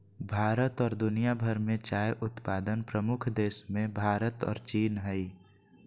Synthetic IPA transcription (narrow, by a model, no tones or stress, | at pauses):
bʱaːɾət̪ɔːɾd̪ʊnijabʱəɾmẽt͡ʃaːjʔʊt̪paːd̪ənpɾəmʊkʰd̪eːsmẽbʱaːɾət̪ɔ̰ːɾt͡ʃiːnɦəi